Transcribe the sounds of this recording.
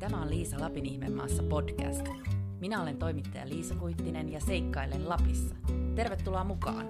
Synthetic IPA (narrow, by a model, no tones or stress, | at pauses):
t̪æmæo̞lliːsɑlɑpiniçme̞mːɑ̰ːsːɑpo̞dkæ̰st̪ | minæo̞le̞nt̪o̞jmit̪ːɑjɑ̰liːsɑkujt̪ːine̞njɑse̞jkːɑjlːellɑpisːɑ̥t̪e̞rʋe̞t̪ːulɑːmukɑ̰ːn